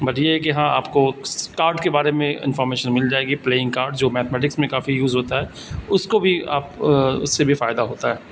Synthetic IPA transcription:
bɐʈjeɦɛkeɦãːa̰ːpkokaːɾɖkebaːɾemẽɪ̰̃nfɔːɾmeːʃənmɪld͡ʒaːeːɡipleːɪ̃ŋɡkaːɾɖd͡ʒoːmɛːt̪mɛːʈ̬ɪksmẽkaːfijuːzɦoːt̪aɦɛː | ʊskobʱia̰ːpʊ̰sːebʱifaːɪd̪aɦoːt̪aɦɛː

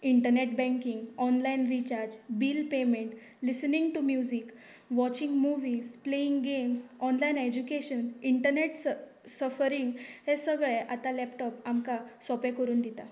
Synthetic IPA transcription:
iɳʈəɾneʈbɛ̃ŋkiŋɡɔnlainɾit͡ɕaɾd͡ʑbiːlpemeɳʈ | lisəniŋɡʈumjud͡ʑik | ʋɔt͡ɕĩŋɡmuʋiːzpleiŋɡɡemsɔnlained͡ʑukeɕəniɳʈəɾneʈsə | səfəɾiŋɡhesəɡɭeʔat̪alɛpʈɔpamkasɔpekəɾuːnd̪it̪a

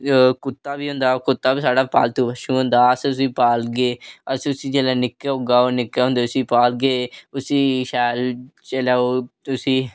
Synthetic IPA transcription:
kʊt̪ːaːbiːɦʊ̃nd̪aːkʊt̪ːaːbiːsaːɖaːpa̰ːlt̪ũːbəʃũːɦõnd̪aːəsʊsiːpaːlɡeːəsʊsiːd͡ʒeːlaːnɪkːeɦoːɡaːoːɾnɪkːeːɦʊ̃nd̪eːʊsiːpaːlɡeːʊsiːʃɛːlt͡ʃelaːoːʊsiː

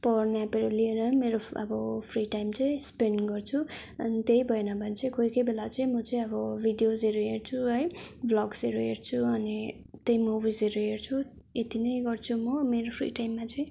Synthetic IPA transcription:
pʌrnjapeɾʌlieɾʌmeɾoʌ̰bʌpʰriʈajmt͡sʌĩspenɡʌrt͡sʰu | ʌ̰nit̪ejbʱʌenabʱʌnt͡sʌĩkojkʌjbelat͡sʌĩmʌt͡sʌĩʌbʌbʱiɖijozeɾuɦert͡sʰuɦʌjblʌɡsʌɾuɦert͡sʰuʌni | t̪ejmubʱizeɾuɦert͡sʰu | et̪inʌjɡʌrt͡sʰumʌmeɾopʰrḭʈajmːat͡sʌĩ

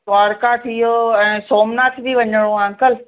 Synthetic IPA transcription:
t̪ʋaːɽkat̪ʰiːɦoɛ̃ːsoːmnaːt̪ʰbʱiʋɐɲəɽ̃oãːŋkəl

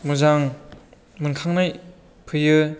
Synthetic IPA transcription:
mɯzaŋ | mɯnkʰaŋnaj | pʰɯjɯ

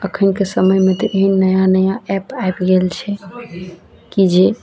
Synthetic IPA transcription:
əkʰənkesəməjmet̪ɔʔeɦinːəjanəjaɛpaebɡelt͡ʃʰɛ | kid͡ʒe

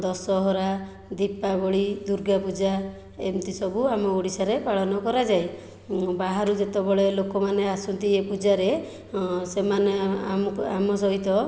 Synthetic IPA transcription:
d̪ɔsɔɦɔɾa | d̪ipabɔɭid̪uɾɡapud͡ʒa | emt̪isɔbuamɔoɽisaɾepaɭɔnɔkɔɾad͡ʒaj | baɦaɾud͡ʒet̪ɔbɔɭelokɔmaneasunt̪iepud͡ʒaɾe | semaneaamɔs̬ɔɦit̪ɔ

